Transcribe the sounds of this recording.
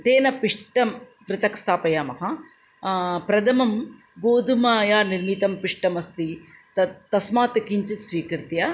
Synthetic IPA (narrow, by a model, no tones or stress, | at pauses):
t̪eːnɐpiʂʈɐmpɾɪt̪ɐkst̪ʰaːpɐjaːmɐɦɐ | pɾɐd̪ɐmɐm | boːd̪ʱumaːjaːniɾmit̪ɐmpiʂʈɐmɐst̪it̪ɐt̪ɐsmaːt̪ɐkiɲt͡ʃit̪sʋiːkɾt̪jɐ